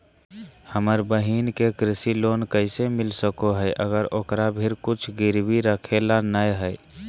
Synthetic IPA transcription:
həməɾbəɦiːnkekɾɪsiloːnkəɪsemɪlsəkoɦɛʔəɡəɾoːkɾabʱɪɾkʊt͡ʃʰɡɪɾwiɾəkʰelanəjɦɛː

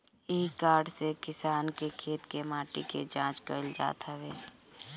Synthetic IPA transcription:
ikaːɖsekɪsaːnkekʰeːt̪kemãːʈḭked͡ʒãːt͡ʃkəld͡ʒa̰ːt̪ɦəʋeː

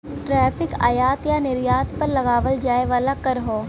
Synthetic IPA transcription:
ʈɾɛːpʰɪka̰ːjaːt̪janɪɾjaːt̪pɐɾlɐɡaːʋəld͡ʒaːeʋaːlakɐɾɦoː

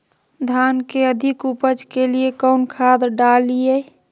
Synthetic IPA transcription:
d̪ʱankeəd̪ʱɪkupəd͡ʒkeliekəʊnkʰad̪ɾɖalie

